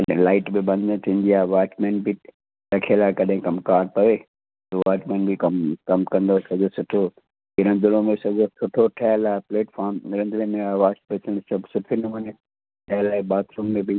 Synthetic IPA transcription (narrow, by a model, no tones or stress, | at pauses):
ɐɗlaːɪʈbɪbɐ̃nd̪nẽt̪ʰĩːnd̪iaːʋaːʈmeːnbɪ | ɾɐkʰelaːkɐɗɦɪ̃kɐmkaːɾt̪ɐʋeː | t̪oʋaːʈmẽːnbʱikɐmkɐmkɐ̃nd̪osɐd͡ʑosʊʈʰo | ɪɾə̃nd̪ɪlomesɐd͡ʑosʊʈʰoʈʰɛːlaːepleːʈfaːɾmɾɐ̃nd̪lẽmẽaːʋaːspesəɽ̃sɐbsʊʈʰinɐmɐne | ʈʰɛːlaːebaːt̪ɾuːmmẽbi